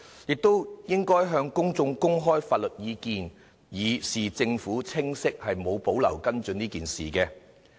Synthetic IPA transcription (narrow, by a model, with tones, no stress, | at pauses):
jɪ˨k̚t̪o˥wjɪ˥ŋkɔː˥jɦœː˧ŋkʊ˥ŋt͡sʊ˧ŋkʊ˥ŋɦɔː˥jfaː˧t̚lɵ˨t̚jiː˨˧kiː˨n | jiː˨˩siː˨t͡sɪ˧ŋfuː˨˥t͡sʰɪ˥ŋsɪ˥k̚hɐ˨jmo˨˧wpo˨˥wlɐ̰˨˩wkɐ˥nt͡ʃɵ˨niː˥kiː˨nsiː˨˩kɛː˧